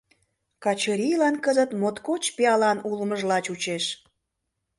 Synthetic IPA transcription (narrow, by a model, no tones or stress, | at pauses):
kɑt͡ɕəɾʲijlɑnkəzət̪mot̪kot͡ɕpeɑlɑnuləməʒlɑt͡ɕut͡ɕeʃ